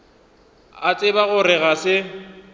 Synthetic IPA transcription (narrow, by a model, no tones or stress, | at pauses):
at͡sʼɪbaɣʊrɪɣasɪ